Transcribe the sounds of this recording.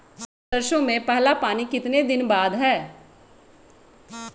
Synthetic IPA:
s | d̪ɐɾʃõmẽpɛɦlapaːnikɪt̪ned̪ɪnbaːd̪ɦɛː

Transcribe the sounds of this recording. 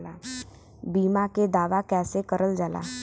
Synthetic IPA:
laː | biːmaked̪aːʋakɛːsekəɾəld͡ʒaːla̰ː

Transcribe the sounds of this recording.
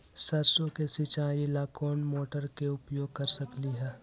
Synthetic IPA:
sɐɾsõkesɪt͡ʃaːilaːkʰoːnmoːʈəɾkeʊpjoːɡ̚kɐɾsɐkliɦɛː

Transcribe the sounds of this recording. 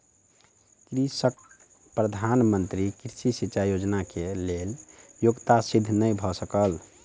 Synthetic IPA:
kɾisək̚ | pɾəd̪ʱanmənt̪ɾikiɾsisit͡ʃajod͡ʒnakeleljoɡt̪asid̪ʱːnəjbʱɔsəkəl

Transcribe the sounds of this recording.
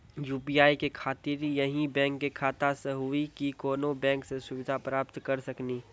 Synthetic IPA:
juːpiːaːikekʰaːt̪ɪɾjɐɦĩbɛ̃ːŋkːekʰaːt̪aseɦʊikikoːnobɛ̃ːŋksesʊʋɪd̪ʱapɾaːpt̪kɐɾsɐkniː

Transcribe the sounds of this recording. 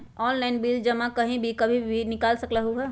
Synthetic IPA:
ɔːnlaːɪnbiːld͡ʒɐmãkɐɦĩbʱikɐbʱibʱinɪkaːlsɐklaɦuɦɛː

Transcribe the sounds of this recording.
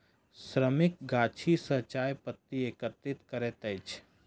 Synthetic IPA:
sɾəmɪk̚ɡaːt͡ʃʰisət͡ʃaːjpət̪ːieːkət̪ɾɪt̪kəɾet̪əɪt͡ʃʰ

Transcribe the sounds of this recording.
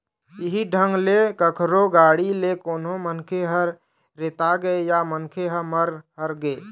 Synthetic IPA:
iɦiɖʱəŋɡlekəkʰɾoɡaːɽilekonɦomənkʰeɦəɾ | ɾet̪aɡəejamənkʰeɦəməɾɦəɾɡəe

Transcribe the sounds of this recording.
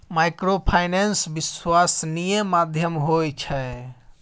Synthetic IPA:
majkɾopʰajnensbiswasnijẽmad̪ʱjəmɦojt͡ʃʰɛ

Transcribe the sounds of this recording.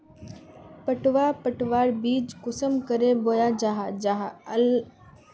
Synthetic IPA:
pəʈʋaːpəʈʋaːɾbiːd͡ʒkʊsəmkəɾeboːjaːd͡ʒaɦad͡ʒaɦal

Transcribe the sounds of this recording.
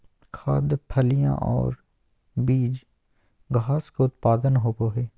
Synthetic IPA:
kʰaːd̪pʰəlijã̰ʔɔ̰ːɾ | biːd͡ʒ | ɡʱaːskoʊt̪paːd̪ənɦoːpoɦɛː

